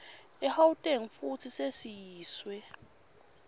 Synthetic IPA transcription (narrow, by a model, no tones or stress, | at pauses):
ɛhawutʼeŋ̩futʰisesijiːswɛ